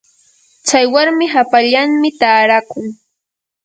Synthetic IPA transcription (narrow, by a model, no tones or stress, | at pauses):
t͡ʃajwaɾmɪɦapaʎaŋmɪt̪aːɾakʊŋ